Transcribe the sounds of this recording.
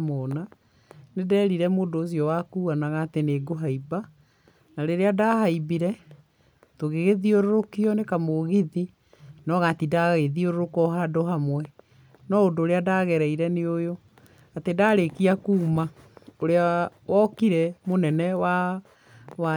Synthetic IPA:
mɔna | nedɛːɾiɾɛmodoːs̬iɔwakuːanaɣaːteneɡoɦaiba | naɾeɾeadaɦaibiɾɛ | toɣeɣeðioɾoɾokiɔnekamoɣiði | nɔɣatidaɣeðioɾoɾokɔɦadoɦamwɛ | nɔodoːɾeadaːɣɛɾɛiɾɛneojo | atedaːɾekiakuːma | oɾeawɔkiɾɛmonɛnɛwa | wa

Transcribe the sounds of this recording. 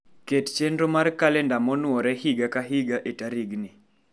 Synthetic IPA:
kett͡ʃendɾomarkalɛndamɔnwɔɾɛhiɡakaɦiɡaʔetaɾiɡnɪ

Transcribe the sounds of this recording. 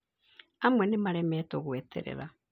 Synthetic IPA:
amwɛnemaɾɛmɛːtoɣweːtʰḛɾḛɾa

